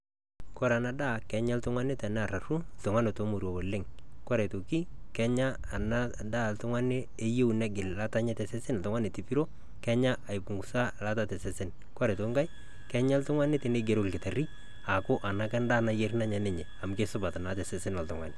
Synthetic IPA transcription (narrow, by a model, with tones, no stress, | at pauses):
kɔ˦ɾa˨na˨da˦kɛ˨ɲa˦ltʊ˦ŋwa˦nɪ˦tɛ˨n˦a˨ra˨ru˦ltʊ˨ŋwa˦ne˨to˨˦mo˨ɾwɔ˨bɔ˨lɪ˦ŋ | kwɔ˦ɾɛ˨to˨ki˦ | kɛ˦ɲa˦ | a˨na˦ | da˦˨ltʊ˦ŋwa˦ne˦ | e˦je˦wnɛ˦ɡɪ˨lla˦ta˦ɲɛ˦tɛ˨sɛ˦sɪ˦n˨tʊ˦ŋa˦ne˨ti˨pi˦ɾo˦ | kɛ˦ɲa˦ʔa˨jpu˨ŋɡu˨sa˦la˦ta˦tɛ˨sɛ˨sɪ˦n | kwa˦ɾɛ˨to˨ŋɡa˦j | kɛ˦ɲa˦ltʊ˦ŋwa˦nɪ˦te˨ne˦ɡe˨ɾo˦lkɪ˨ta˨ri˦ | a˨kʊ˦ʔa˨na˦kɛ˦nda˦na˨je˦rna˦ɲa˨ne˨ɲɛ˨a˨mke˦sʊ˦ba˨ta˨na˨˦tɛ˨sɛ˨sɪ˦nwa˨ltʊ˨ŋwa̰˨nɪ˨